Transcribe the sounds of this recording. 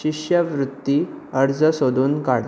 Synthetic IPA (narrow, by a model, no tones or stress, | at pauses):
iʂjəʋɾut̪ːiəɾd͡zəsod̪ʱuːnkaɽ